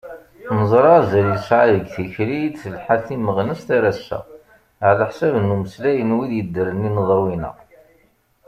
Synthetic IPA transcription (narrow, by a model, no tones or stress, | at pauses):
nəzˤɾˤɑzælisʕaðəɡθiçɾid̪θəlħaθiməʁnəst̪æɾæsːæ̰ | ʕləħsævnːuməslæjənwiðjəd̪ːəɾənːinəðˤɾwinə̰ʁ